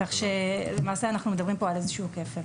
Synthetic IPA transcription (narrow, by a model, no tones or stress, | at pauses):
kaχʃelemaːseanaχnume̞d̪abʁimpoalezeʃuukefe